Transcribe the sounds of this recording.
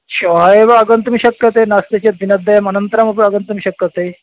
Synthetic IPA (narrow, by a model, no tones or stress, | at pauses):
ɕoɦaeʋaːɡənt̪miɕɐkjɐt̪enast̪et͡ɕed̪inɐd̪ːɐjɐmɐnənt̪əɾamɐp̬ɽɐɡənt̪ɐmiɕɐkjət̪e